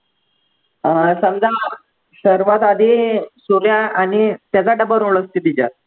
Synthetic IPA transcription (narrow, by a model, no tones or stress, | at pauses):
əsəmd͡za | ɕəɾuʋat̪ad̪ʱisuɾjaaɽ̃it̪jat͡saɖəbəɾuɭəst̪it̪id͡ʑa̰t̪̚